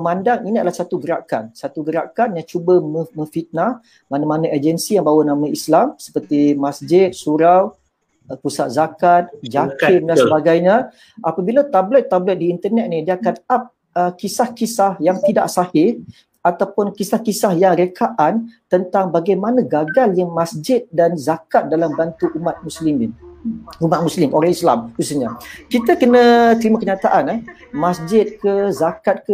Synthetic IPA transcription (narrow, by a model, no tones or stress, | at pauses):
mandaŋiniadalahsat̪uɡəɾa̰kansat̪uɡəɾa̰kanjaŋt͡ʃubəməmə̃fit̪̚nah | manamanaʔəd͡ʒənsijaŋbawanãmãislamsə̥pərt̪imasd͡ʒɪt̪̚suɾaw | pusat̪̚zakat̪̚d͡ʒakɪndansəbaɡajɲã | apabilat̪ablət̪ːablət̪̚diːnt̪ərnɛt̪̚nidiakanap̚ | əkisahkisahjaŋt̪ida̰ʔsahɪ | at̪awpʊnkisahkisahjaŋɾekʰaʔant̪ənt̪aŋbaɡajmanãɡaɡaljamasd͡ʒɪt̪̚danzakat̪̚dalambant̪uʔumat̪̚musliminumat̪̚mũslɪmʔoɾɛhisla̰mkusuɲakit̪akənə̃t̪əɾimakəɲat̪aʔanəh | masd͡ʒɪt̪̚kəzakat̪̚kə